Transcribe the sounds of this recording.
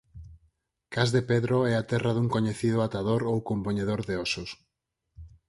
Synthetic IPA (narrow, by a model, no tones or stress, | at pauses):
kazðepeðɾoɛat̪ɛraðuŋkoɲeθiðʊat̪aðoɾowkompoɲeðoɾðeɔsos